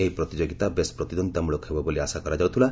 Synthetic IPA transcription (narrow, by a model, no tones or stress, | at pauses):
eɦipɾɔt̪id͡ʒoɡit̪abespɾɔt̪id̪ɔnd̪amuɭokɦebɔboliasakɔɾad͡ʒawt̪ʰila